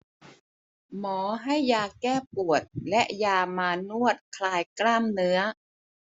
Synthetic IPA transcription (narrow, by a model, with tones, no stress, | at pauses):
mɔː˩˦ɦa˥˩jːaː˧kɛː˥˩pu˨˩ət̪̚lɛ˦˥ʔjaː˧maː˧nu˥˩ət̪̚kʰlaː˧jklaː˥˩mnɯ˦˥ɐ